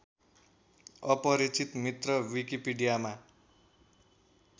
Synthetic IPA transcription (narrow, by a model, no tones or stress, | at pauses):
ʌpʌɾit͡sit̪mit̪rʌwikipiɖijama